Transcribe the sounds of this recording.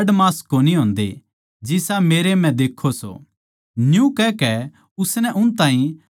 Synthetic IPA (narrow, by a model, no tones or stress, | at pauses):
ɖmaːskːoːniɦõːnd̪ḛ | d͡ʒɪsameːɾemɛ̃d̪eːkʰːoso̰ | njũkɛkɛ | ʊsnɛʔʊnt̪ãːĩ